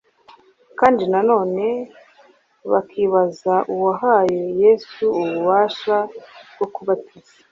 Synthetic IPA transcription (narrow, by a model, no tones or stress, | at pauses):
kaːndinano̞ːne̞ | βakʰiːβazaʔuwaɦajoje̞ːsuuβuβaːʃabɡo̞kuβatʰiz̥a